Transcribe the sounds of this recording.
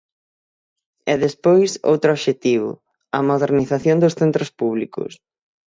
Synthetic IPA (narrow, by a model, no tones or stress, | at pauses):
ɛðespojso̰wt̪ɾʊɔβʃet̪iβʊ̰ | ɐmoðeɾniθaθjond̪ʊsθent̪ɾʊspuβlikʊ̰s